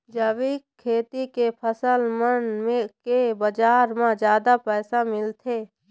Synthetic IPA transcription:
d͡ʒəʋikʰːeːt̪ikepʰəsəlmənmekebəd͡ʒaːɾmãd͡ʒjaːd̪apɛːsamɪlt̪ʰeː

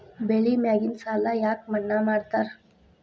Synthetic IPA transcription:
beːɭimaːɡɪnsaːlajaːkmɐnːamaːɽt̪aɾ

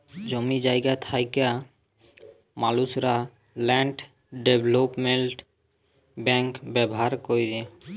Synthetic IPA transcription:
d͡ʑomid͡ʑajɡat̪ʰajka | malusɾa | lɛɳʈ | ɖebʱlopmeɳʈ | bɛŋkbɛboɦaɾkojɾe

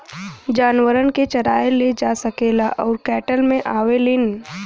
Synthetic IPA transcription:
d͡ʒaːnʋəɾənket͡ʃɐɾaːjeled͡ʒasɐkeːlaʔɔːɾkɛːʈəlmẽʔaːʋelɪn

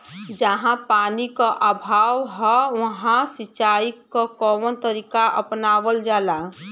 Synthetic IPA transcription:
d͡ʒəɦãpaːnikaʔabʱaːʋɦɛʋəɦãsit͡ʃaːikkokɔʋənt̪əɾikaʔə̰pnaʋəld͡ʒaːla

